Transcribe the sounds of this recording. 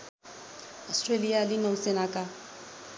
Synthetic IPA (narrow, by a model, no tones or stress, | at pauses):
ɔstʰʼrelialɪnausɪnakʼa